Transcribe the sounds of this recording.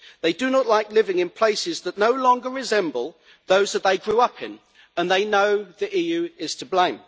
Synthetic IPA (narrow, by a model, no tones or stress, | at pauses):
ðeɪdɨnəʔˡlaɪklɪvɪ̃ŋɨ̃npʰl̥eɪsɪzðətⁿnoʊlɔ̃ŋɡəɹɪzɛ̃mbəlˠ | ðoʊzðət̪̚ðeɪɡɹʉʌpʰɪ̰̃n | ə̃nðeɪnoʊðiʔijʉɪz̥tʰəblẽɪ̃m